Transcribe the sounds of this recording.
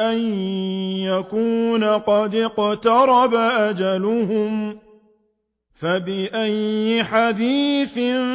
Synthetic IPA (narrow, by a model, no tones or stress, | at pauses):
ʔan | jakuːnaqɑd̪qt̪ɑɾˤɑbaʔad͡ʒalʊhʊm | fabɪʔajːɪħad̪iːθɪ